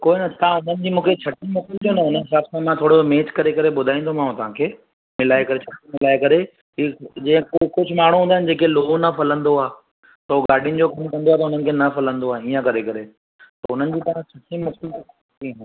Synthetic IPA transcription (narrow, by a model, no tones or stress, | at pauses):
koːinɐt̪ɐãʊnənɪ̆d͡ʑiːmũːkʰet͡ɕʰɐʈimʊkɪlt̪ionɐʊnənɦɪsaːbsãmãt̪ʰoːɽomeːt͡ɕkɐɾekɐɾeɓʊd̪ʱaːĩːnd̪omaːũt̪ɐʋ̤ãkʰeː | mɪlaːekɐɾet͡ɕʰɐʈmɪlaːekɐɾe | id͡ʑĩːə̃kʊd͡ʑʱʊmaːɽ̃ũɦũːnd̪aɦɪn̆d͡ʑeːkeloːnɐfɐlə̃nd̪oaː | t̪ɐoɡaːɖʱijʊnɪ̆d͡ʑokɐmkɐ̃nd̪oaːt̪ɐʊn̤ənɪ̆kʰeːnɐfɐlə̃nd̪oaːiːə̃kɐɾekɐɾe | t̪ɐʊn̤ənɪ̆d͡ʑiːt̪ɐʋ̤ãt͡ɕʰɐʈimʊkɪlo | tĩn